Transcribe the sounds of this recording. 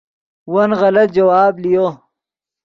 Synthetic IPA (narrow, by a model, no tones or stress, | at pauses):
wɐnɣɐlɐt̪̚d͡ʒɐwaːblijoː